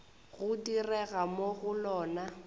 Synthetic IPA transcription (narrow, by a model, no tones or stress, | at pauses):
ɣʊdirɛɣamoɣʊlɔːna